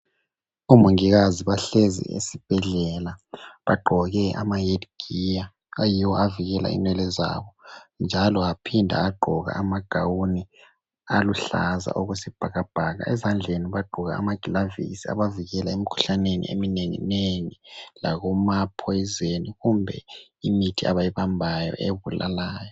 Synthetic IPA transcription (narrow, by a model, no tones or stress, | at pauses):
umuŋiɣaziβaɬezḭḛsib̥ʱɛɮɛlaβaɡ͡ǃʱɔɣɛʔa̰majedɡ̥ʱija | ajiwɔaviɣɛla̰ḭnwɛlɛza̰βɔnd͡ʒʱalɔapʰindʱa̰aɡ͡ǃʱɔɣa̰ʔamaɡ̥ʱawuni | aluɬa̰za̰ʔɔɣwesib̥ʱaɣab̥ʱaɣa̰ʔɛzand͡ɮʱeniβaɡ͡ǃʱɔɣa̰ːmaɡ̥ʱilavḭsia̰βaviɣɛlaemikʰu̥ɬanenḭʔḛmineŋḭneŋilaɣumapʰojizeniɣumbʱɛ̰imitʰia̰βajiβambʱajɔ̰ʔeβula̰laːjɔ